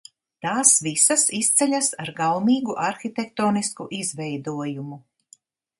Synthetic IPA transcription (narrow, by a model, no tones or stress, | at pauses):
t̪aːsvisasist̪sɛʎʲasaɾɡalmiːɡuʔaɾxit̪ʲɛk̚t̪oːniskuʔizvɛjd̪uɔjumu